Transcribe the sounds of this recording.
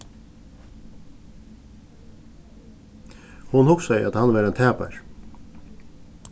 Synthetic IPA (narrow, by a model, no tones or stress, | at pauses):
hʊnhʊksaɪʔa̰t̪hɑnʋɑːɾɛːnt̪ʰæːpa̰ɹ